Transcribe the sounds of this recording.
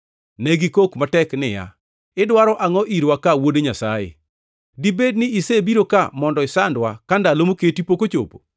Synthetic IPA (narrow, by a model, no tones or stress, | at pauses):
nɛɡikokmatɛknɪja̰ | ɪdwaɾɔʔaŋɔʔiɾwakawodeɲasajḛ | dibednɪisebiɾokamɔndɔɪsandwakandalomoketipokot͡ʃo̰po̥̰